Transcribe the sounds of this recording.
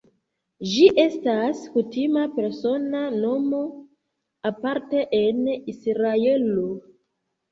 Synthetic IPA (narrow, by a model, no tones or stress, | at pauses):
d͡ʒiʔe̞staskutimape̞ɾso̞nano̞mo̞ | apaɾteʔenisɾae̞lo